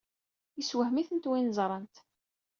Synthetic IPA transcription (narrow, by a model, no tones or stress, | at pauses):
iswəhmiθənt̪winzˤɾˤənt̪